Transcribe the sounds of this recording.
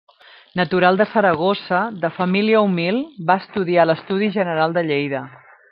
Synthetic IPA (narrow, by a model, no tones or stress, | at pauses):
nət̪uɾalˠd̪əsəɾəɣ̞osəðəfəmiliəumilˠbaəst̪uðialəst̪uðiʒənəɾalˠd̪əʎejðə